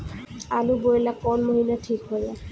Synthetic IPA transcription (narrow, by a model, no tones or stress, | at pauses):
alubojlakɔnmoɦinatʰikɦojla